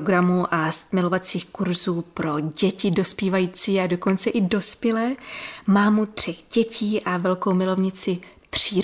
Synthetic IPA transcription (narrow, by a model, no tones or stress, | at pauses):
ɡɾamuʔast̪mɪlo̞vat͡siːxkuɾzuːpɾo̞ɟɛcɪdo̞spiːvajiːt͡siːado̞ko̞nt͡sɛʔɪdo̞spjɛlɛːmaːmut̪r̝̥ɛxɟɛcʰiːʔavɛlkowmɪlo̞vɲɪt͡sɪ | pr̥iː